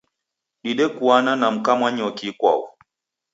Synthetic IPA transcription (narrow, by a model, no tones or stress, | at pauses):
ɗiɗɛkuananam̩kamwaɲɔkikwa̰ṵ